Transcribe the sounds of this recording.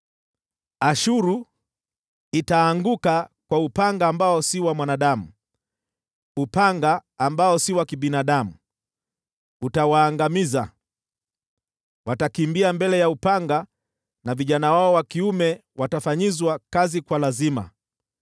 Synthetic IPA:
aʃuɾu | itaːŋɡukakwaupaŋɡaːmbaɔsiwamwanaɗamu | upaŋɡaːmbaɔsiwakiɓinaɗamu | utawaːŋɡamiza | watakimbiambɛlɛjaupaŋɡa | naviʄanawaɔwakiumɛwatafaɲizwakazikwalazima̰

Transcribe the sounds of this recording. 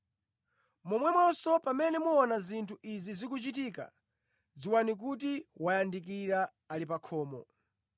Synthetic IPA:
mɔmwɛmwɔsɔpamɛnɛmuɔnazintʰuizizikut͡ʃitiːka̰ | ziwanik̬ut̬iwajandik̬iɾa | alipakʰɔːmɔ

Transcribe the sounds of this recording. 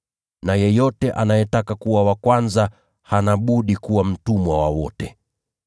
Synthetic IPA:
najɛjɔtɛʔanajɛtakakuwawakwanza | hanaɓuɗikuwam̩tumwawawɔtɛ

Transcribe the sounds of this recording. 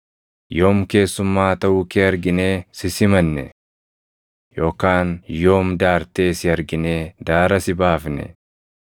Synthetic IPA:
jo̞ːmke̞ːsːʊmːaːt̪ɐʔuːkeːɐɾɡɪne̞ːsɪsɪmɐnːɛ̰ | jo̞ːkaːnjo̞ːmd̪aːɾt̪e̞ːsɪɐɾɡɪne̞ːd̪aːɾɐsɪbaːfnɛ̰

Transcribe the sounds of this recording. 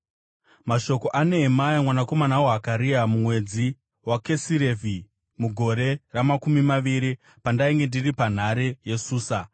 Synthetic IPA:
maʃo̞ko̞ʔane̞ɦːmajemwanako̞manawoɦakaɾiamumwe̞d͡zi | wake̞siɾevʱi | muɡʱo̞ɾe̞ramakumimaʋiɾi | pandaiŋɡe̞ndiripan̤aɾeje̞suːsa

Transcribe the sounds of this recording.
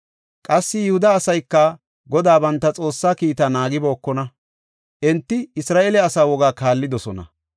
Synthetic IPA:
kʼɐsːɪjɪhʊd̪ɐːsɐjkːɐ | ɡɔd̪aːbɐnt̪ːɐt͡sʼo̞ːsːaːkiːt̪ɐnaːɡɪbo̞ːkːɔnɐ | ʔɛnt̪ːɪɪsɾaːʔelɛɐsaːwɔɡaːkaːlːɪd̪ɔsɔnɐ̰

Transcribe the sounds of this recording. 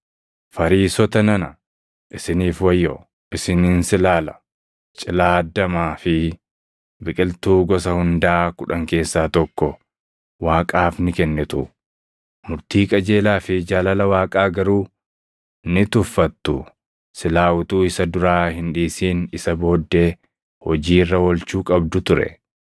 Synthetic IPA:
fɐɾiːsɔt̪ɐnɐnɐ | ʔɪsɪniːfwɐjːɔ | ʔɪsɪniːnsɪlaːlɐ̥ | t͡ʃʼɪlaːd̪ːɐmaːfɪ | bɪkʼɪlt̪uːɡɔsɐhʊnd̪aːkʊᶑɐŋke̞ːsːaːt̪ɔkːɔ | waːkʼaːfnɪkɛnːɛt̪ʊ̰ | mʊɾt̪iːkʼɐd͡ʒe̞ːlaːfɪd͡ʒaːlɐlɐwaːkʼaːɡɐɾuː | nɪt̪ʊfːɐt̪ːʊ | sɪlaːwʊt̪uːɪsɐd̪ʊɾaːhɪnᶑiːsiːnɪsɐbo̞ːd̪ːe̞ː | hɔd͡ʒiːrːɐwɔlt͡ʃuːkʼɐb̚d̪ʊt̪ʊɾɛ̰

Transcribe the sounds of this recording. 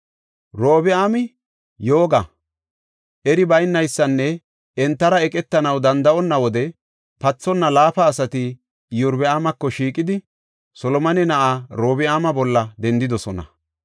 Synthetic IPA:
ɾoːbɪaːmɪ | jo̞ːɡɐ | ʔɛɾɪbɐjnːɐjsːɐnːɛ | ɛnt̪ːɐɾɐɛkʼɛt̪ːɐnɐwd̪ɐnd̪ɐʔɔnːɐwɔd̪ɛ | pɐt͡sːɔnːɐlaːfɐːsɐt̪ɪ | jʊɾbɛaːmɐkːɔʃiːkʼɪd̪ɪ | sɔlɔmɐnɛnɐʔaɾoːbɪaːmɐbɔlːɐd̪ɛnd̪ɪd̪ɔsɔnɐ̰

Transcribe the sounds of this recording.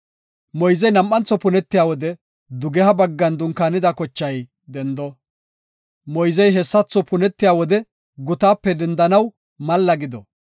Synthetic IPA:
mɔjzɛjnɐmːɐnt͡sːɔpʊnɛt̪ːɪjaːwɔd̪ɛ | d̪ʊɡɛhɐbɐɡːɐnd̪ʊŋkːaːnɪd̪ɐkɔt͡ʃːɐj | d̪ɛnd̪ɔ | mɔjzɛjɦɛsːɐt͡sːɔpʊnɛt̪ːɪjaːwɔd̪ɛ | ɡʊt̪aːpːɛd̪ɛnd̪ɐnɐw | mɐlːɐɡɪd̪ɔ

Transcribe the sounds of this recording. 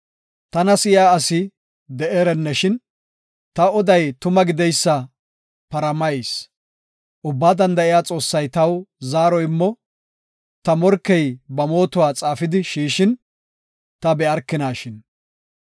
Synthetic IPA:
t̪ɐnɐsɪjaːsɪ | d̪ɛʔeːɾɛnːɛʃɪn | t̪ɐɔd̪ɐjt̪ʊmɐɡɪd̪ɛjsːɐ | pɐɾɐmɐjs | ʔʊbːaːd̪ɐnd̪ɐʔɪjaːt͡sʼo̞ːsːɐjt̪ɐwzaːɾɔjɪmːɔ | t̪ɐmɔɾkːɛjbɐmo̞ːt̪ʊwaːt͡sʼaːfɪd̪ɪʃiːʃɪn | t̪ɐbɛɐɾkːɪnaːʃɪn

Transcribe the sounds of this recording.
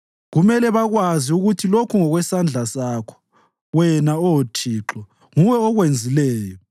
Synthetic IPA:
ɣumɛlɛβaɣwaziuɣutʰilokʰuŋɔɣwɛsand͡ɮʱasaːkʰɔ̥ | wɛnaɔtʰiːǁɔ | ŋuwɛɔɣwend͡zʱilɛːjɔ

